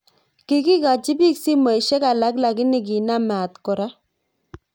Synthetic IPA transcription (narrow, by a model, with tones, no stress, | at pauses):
kɪ˦ki˦ka˨t͡ʃɪ˦bi˦ksi˦ma˨i˨ʃɛ˦ka˨la˦kla˨kɪ˦nɪ˦˨k̬i˨na˦ma˨t̪kɔ˨ɾa˦